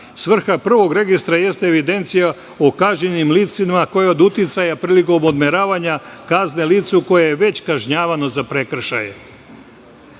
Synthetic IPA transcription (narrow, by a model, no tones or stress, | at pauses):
sʋr̩xapr̩ʋo̞ɡɾe̞ɡist̪ɾaje̞st̪eeʋid̪e̞nt̪sija | okaʒɲenimliːt̪simako̞jeod̪ut̪jit̪sajapɾiːliko̞mod̪meɾaːʋaɲakazne̞liːt̪suko̞jejeʋe̞t͡ɕkaʒɲaːʋano̞zapɾe̞kr̩ʃa̰jḛ